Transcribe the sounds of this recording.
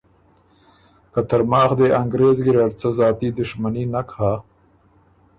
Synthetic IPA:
kat̪aɾmɑːxd̪eʔaŋɡɾeːzɡiɾaɽt͡sazɑːt̪id̪ʊʃmaninakha

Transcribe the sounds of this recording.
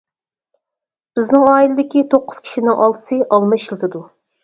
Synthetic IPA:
b̥ɪznɪŋɑːilˠɨd̪ɪkʲit̪ʰoqːʊz̥kʲʰi̥ʃinɪŋʔɑlˠt̪ʰɨ̥sɨʔɑlˠmɨʃilˠt̪ʰɨd̪u

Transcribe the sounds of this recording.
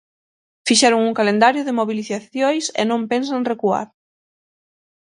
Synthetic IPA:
fiʃɛɾʊŋuŋkalend̪aɾjʊðɪmoβiliθaθjojsḛnõmpensaŋrekua̰ɾ

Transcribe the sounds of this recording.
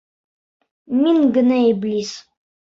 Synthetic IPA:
miŋɡɘ̆naiblʲis

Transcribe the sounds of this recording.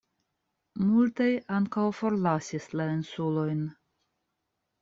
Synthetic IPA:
multajaŋkawfo̞ɾlasislainsulo̞jn

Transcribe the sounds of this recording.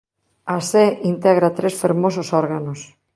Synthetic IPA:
aseint̪eɣɾat̪ɾesfeɾmososoɾɣanos

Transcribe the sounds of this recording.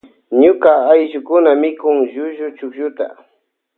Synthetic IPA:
ɲʊkaːjʃʊkʊnamɪkʊŋʒʊʒʊt͡ʃʊkʒʊt̪a̰

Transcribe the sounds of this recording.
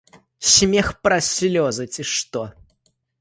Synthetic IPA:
sʲmʲexpɾasʲlʲɔzɨt͡sʲɪʂt̪o

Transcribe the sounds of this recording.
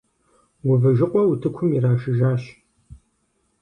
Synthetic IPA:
wʊvɨʒɪqʷʼɔwutʰɨkʷʰʊmiɾaːʃɨʒaːʃ

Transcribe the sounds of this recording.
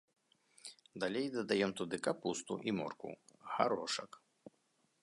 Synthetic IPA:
d̪alʲejd̪ɐd̪ajɛmt̪ud̪ɨkapust̪uʔimɔ̰rkṵɣaɾɔʂɐk

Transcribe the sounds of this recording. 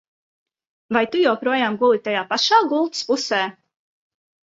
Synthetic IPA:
vajt̪ujɛwpɾuɔjaːmɡulˠit̪ajaːpaʃaːɡulˠt̪spusɛː

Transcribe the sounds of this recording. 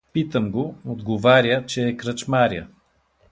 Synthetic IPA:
pit̪əmɡood̪ɡovaɾʲət͡ʃɛːkɾət͡ʃmaɾʲiə̰

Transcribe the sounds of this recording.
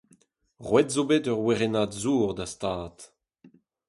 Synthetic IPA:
ʁwɛtzobetœʁweʁenaːdzuːʁd̪astaːt

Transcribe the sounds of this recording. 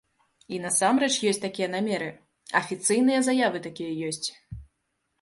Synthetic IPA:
in̪ɐsamɾɛt͡ʂjɔsʲtʲt͡sʲt̪akʲijɛnamʲɛɾɨ | ɐfʲit̪sɨjn̪ɨjɐzajavɨt̪akʲijɐjɔsʲt͡sʲ

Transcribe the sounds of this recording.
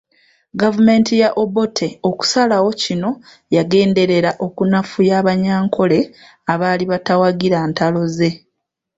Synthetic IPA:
ɡavume̞ːntijaʔo̞bo̞tʰe̞oku̥salawo̞cino̞ | jaɡe̞ːnde̞ɾe̞ɾaʔo̞kunafujaːβaɲaːŋkʰo̞le̞ | aβaːliβatawaɡiɾaːntalo̞ze̞

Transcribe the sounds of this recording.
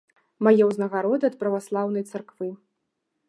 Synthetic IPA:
majɛwznɐɣaɾɔd̪ɨɐt̪̚pɾɐvaslˠawnɐjt̪sarkvɨ

